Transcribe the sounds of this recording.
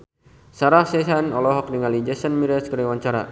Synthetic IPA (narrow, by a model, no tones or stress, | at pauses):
saɾahsɛsanɔlɔɦɔk̚diŋalid͡ʒɛsənmiɾaskəɾiwaɲt͡ʃaɾa̰